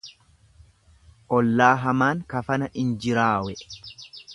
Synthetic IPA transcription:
ʔɔlːaːɦɐmaːŋkɐfɐnɐʔɪnd͡ʒɪɾaːwɛ

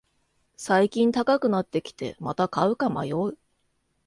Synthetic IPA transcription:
saikʲĩnt̪akakɯ̟nat̪ːe̞kʲi̥t̪e̞̰mat̪akaɯ̟kama̰joɯ

